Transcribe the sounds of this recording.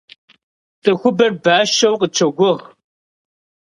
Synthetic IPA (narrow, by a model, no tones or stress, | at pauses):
tʼɐxʷʊbɐrbaːʃɐwqət͡ʃʰɐɡʷʊʁ